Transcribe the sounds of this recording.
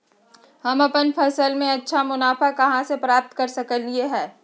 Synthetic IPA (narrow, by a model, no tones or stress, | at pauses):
hɐmɐpənpʰɐsəlmẽɐtːʃʰamʊnaːfakɐɦãsepɾaːp̚t̪kɐɾsɐkəlːieɦɛː